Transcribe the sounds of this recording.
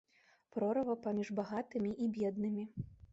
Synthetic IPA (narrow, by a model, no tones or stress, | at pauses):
pɾɔɾɐvɐpamʲiʐbaɣat̪ɨmʲiʔibʲɛd̪̚nɨmʲi